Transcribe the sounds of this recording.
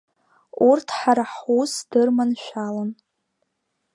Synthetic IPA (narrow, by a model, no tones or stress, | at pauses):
urtʰħaɾaħuzdɨrmanʃᶣalan